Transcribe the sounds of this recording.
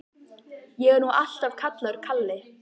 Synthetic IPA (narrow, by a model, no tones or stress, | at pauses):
jɛɣɛɾnuʔal̥t̪av̥kʰat̪laɾ̥kʰalːɪ